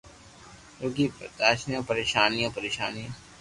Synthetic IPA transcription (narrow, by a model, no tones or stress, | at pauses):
ɾoɡiːpə̰t̪aːʃnijãːpəɾeːʃaːnijãːpəɾeːʃa̰ːnijã